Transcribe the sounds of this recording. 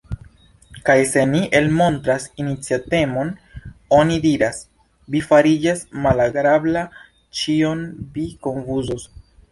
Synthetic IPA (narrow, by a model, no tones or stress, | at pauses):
kajse̞niʔelmo̞ntɾasinit͡siate̞mo̞no̞nidiɾas | vifaɾid͡ʒasmalaɡɾabla | t͡ʃionviko̞ɱfuzos